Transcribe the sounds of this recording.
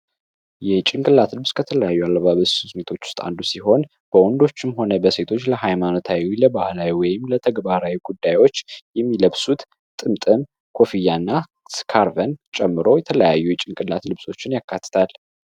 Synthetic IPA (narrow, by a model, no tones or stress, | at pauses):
jɛt͡ʃʼɪŋkʼɨlːat̪lɨβskʰət̪ʰələjajːualːəβaβəssɨsmet̪ʰo̞t͡ʃːwʊ̥st̪ʼa̰nd̪usiɦo̞n | b̥əwɔnd̪o̞t͡ʃːɪmho̞nəbəse̞t̪ʰo̞t͡ʃːləɦajmano̞t̪ʰawiwiləbahlawiwɔjɪmlət̪ʰəɡbaɾawiɡud̪ːajwo̞t͡ʃːjɛmːiləβsut̪ | t̪ʼɨmt̪ʼɨm | kʰo̞fijanːa | skʰaɾvənt͡ʃʼɛmːɨɾo̞jɛt̪ʰələjajːujɛt͡ʃʼɪŋkʼɨlːat̪lɨβso̞t͡ʃːɪnjakːat̪ʰːɨ̥t̪ʰal